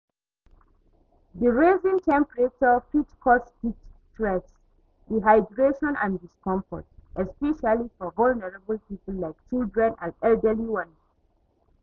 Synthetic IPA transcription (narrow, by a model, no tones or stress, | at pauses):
ðəɹezĩŋtʰɛ̃mpɹet͡ʃɔfitkʰɔsdit͡ʃtɹɛts | diɦaɪdɹeʃɔ̃nãndiskɔ̃ɱfɔ̰tɛspɛʃalifɔvɔlnɛɹabəlpipəl̩ːaɪk̚t͡ʃildɹɛ̃nãnɛldəliwʌ̃ns